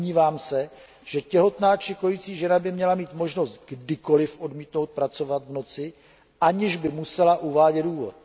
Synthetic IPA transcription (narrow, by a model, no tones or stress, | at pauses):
ɲiːvaːmsɛ | ʒ̥ɛcɛɦo̞t̪naːt͡ʃɪko̞jit͡siːʒɛnabɪmɲɛlamiːt̪mo̞ʒno̞st̪ɡdɪko̞lɪfʔo̞dmiːt̪no̞wt̪̚pɾat͡so̞vat̪vno̞t͡sɪ | ʔaɲɛʒbɪmusɛlaʔuvaːɟɛt̪duːvo̰t̪